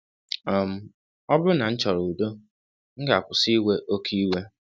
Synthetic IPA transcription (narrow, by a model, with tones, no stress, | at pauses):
ɔ˨m̩˦ | ɔ˦bʊ˦na˨n̩˦t͡ʃɔ˨ɾu˨do˦ | ŋ̩˦ɡa˨kʷʊ˨si˦we˦ʔo˦kʰi˦we˦